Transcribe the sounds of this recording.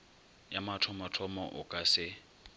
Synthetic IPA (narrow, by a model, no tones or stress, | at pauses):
jamatʰɔmatʰɔmɔ̰ʔʊkʼasɪ